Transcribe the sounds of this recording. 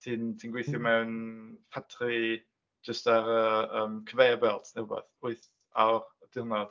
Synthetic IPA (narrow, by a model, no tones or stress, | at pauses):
tʰintʰinɡwejθjɔmɛwnpʰatʰri | d͡ʒəstaɾəəːmkʰəvejabɛlˠdnɛwəbɛ̰θʊɨθ | a̰wrəd̥ɪlˠnɔð̥